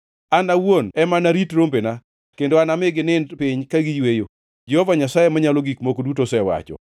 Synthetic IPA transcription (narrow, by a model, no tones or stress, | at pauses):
anawwonɛmanaɾitɾombena | kendoanamɪɡɪnɪnpɪɲkaɡɪjwejo | d͡ʒɛhɔvaɲasajemaɲaloɡikmokodutosɛwa̰t͡ʃɔ̰